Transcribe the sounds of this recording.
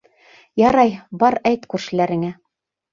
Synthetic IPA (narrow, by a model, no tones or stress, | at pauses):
jɑɾɑjbɑɾæjt̪kʉɾʃɘ̆læɾɘ̆ŋæ